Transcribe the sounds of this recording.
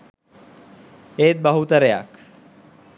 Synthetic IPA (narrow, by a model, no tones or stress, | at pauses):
et̪̚bəɦut̪ɐɾeja̰k